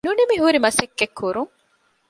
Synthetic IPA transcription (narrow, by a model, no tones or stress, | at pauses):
nunimiɦuɾimɐsekːekːuɾuŋ